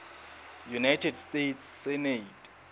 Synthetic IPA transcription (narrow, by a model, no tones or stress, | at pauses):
junajtʰɛdstetʰsːɛnetʼ